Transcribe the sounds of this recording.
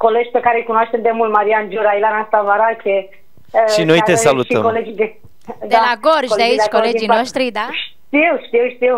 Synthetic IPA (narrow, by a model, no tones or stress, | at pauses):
koled͡ʒʲpekaɾekunoaʃt̪emd̪emult̪maɾiand͡ʒuɾailanast̪avaɾakʰʲe | ʃinojt̪esalutʃə̰koled͡ʒid̪e | d̪elaɡorʒd̪eaidt͡ʃkoleijnoʃt̪ɾid̪aʃ | t̪iwʃt̪iwʃt̪iw